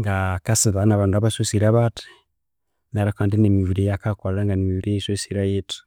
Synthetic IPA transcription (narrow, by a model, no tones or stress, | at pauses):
ŋɡakasiðanaβandabasosiɾaβati̥ | naɾakandinemiβiɾejakakaaŋɡanimiβiɾeisosiɾajetu̥